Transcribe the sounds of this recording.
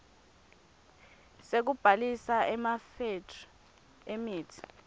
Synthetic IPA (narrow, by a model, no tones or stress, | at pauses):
sek̬ub̥ʱalisaɛmafetʰ | emiːtʰi̥